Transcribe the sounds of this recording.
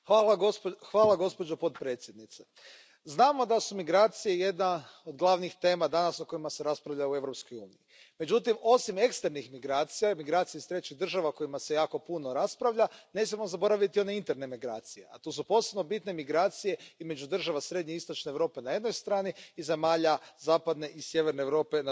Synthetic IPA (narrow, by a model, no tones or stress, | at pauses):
xaːlaɡopxʋaːlˠaɡo̞spo̞d͡ʒopo̞t̪pɾe̞t̪sʲje̞d̪nit̪se | znaːmo̞d̪asumiɡɾaːt̪sijeje̞d̪naod̪ɡlˠaʋnixt̪e̞ːmad̪anasoko̞imase̞ɾaspɾaʋʎaue̞ʋɾo̞psko̞juːniji | me̞d͡ʑut̪imo̞sime̞kst̪eɾnixmiɡɾaːt̪sijaimiɡɾaːt̪sijeist̪ɾe̞t͡ʃid̪r̩ʒaʋako̞imase̞jaːko̞puno̞ɾaspɾaʋʎane̞ːs̬mʲamo̞zabo̞ɾaʋit̪io̞neint̪e̞ɾne̞miɡɾa̰ːt̪sijḛa̰t̪usupo̞se̞bno̞bit̪ne̞miɡɾaːt̪sije̞izme̞d͡ʒud̪r̩ʒaʋasɾe̞d̪ɲe̞ist̪o̞t͡ʃneːʋɾo̞ːpe̞naje̞d̪no̞jst̪ɾaːniːze̞maːʎazaːpad̪ne̞ʔisje̞ʋeɾneːʋɾo̞ːpe̞n